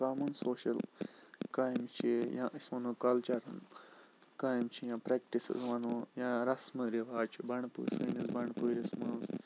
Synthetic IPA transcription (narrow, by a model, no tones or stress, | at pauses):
kaːmɐnsoːʃɐlkaːjmt͡ʃʰijãːʔisʲmɐnuːkɐlt͡ʃɐɾɐn | kaːjmt͡ʃʰijãːpɾek̚ʈisḭzʋɐnuːjãːɾɐsmɨɾiʋaːt͡ʃʰibɐɳpṵːsɨːnizbɐɳpuɾismɐz